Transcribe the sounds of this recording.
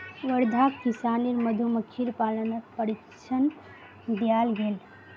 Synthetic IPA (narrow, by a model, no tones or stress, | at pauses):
ʋəɾd̪ʱakkisaniɾməd̪ʱuməkʰiɾpalənəpəɾik | t͡ʃʰən | d̪ejalɡel